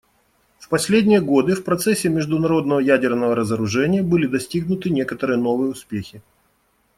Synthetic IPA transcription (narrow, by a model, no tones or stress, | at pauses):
fpɐsʲlʲedʲnʲɪjəɡo̞d̪ɨfpɾɐt̪sɛsʲːɪmʲɪʐd̪ʊnɐɾo̞d̪nəvəjædʲɪrnəvəɾəzəɾʊʐɛnʲɪjəbɨlʲɪd̪ɐsʲtʲiɡnʊt̪ɨnʲe̞kət̪əɾɨjəno̞vɨjəʊspʲexʲɪ